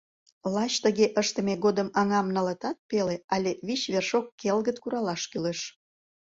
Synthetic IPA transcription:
lɑt͡ɕt̪əɣeʔəʃt̪əmeɣod̪əmɑŋɑmnələt̪ɑt̪̚peleɑlʲeβit͡ɕβerʃokːelɣət̪kuɾɑlɑʃkyleʃ

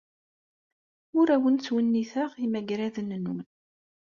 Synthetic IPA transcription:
ʊɾæwənt͡sːwənːiθəʁimæɡɾæðənːnːʊmn

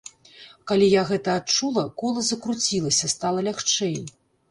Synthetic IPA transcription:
kalʲijaɣɛt̪ɐːt͡ʂulˠɐkɔlˠɐzɐkɾut͡sʲilˠɐsʲɐst̪alˠɐlʲaxt͡ʂɛj

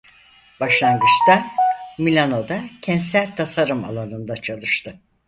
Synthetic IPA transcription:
b̥aʃlˠaŋɡɯt͡ʃt̪amilʲano̞d̪acʰɛnsælʲt̪ʰasaɾɯma̰lˠanɯnd̪at͡ʃʰalˠɯʃt̪ʰɯ

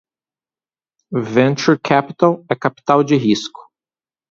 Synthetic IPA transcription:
vẽnt͡ʃuɾkʰɛpit̪alɛkapi̥t̪awd͡ʒɪɦiskʊ̥

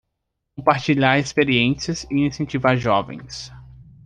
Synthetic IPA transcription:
kõmpaɾt͡ʃiʎaɾespeɾiẽsiɐzɪinĩsẽnt͡ʃivaɾʒɔvḛ̃j̃s

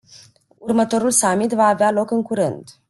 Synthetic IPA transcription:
urmət̪o̞ɾulsamit̪vaːvealo̞kɨŋkuɾɨnd̪

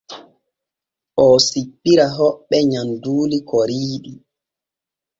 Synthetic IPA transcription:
ʔɔsipːiɾaɦɔɓːɛɲanduːlikɔɾiːɗi

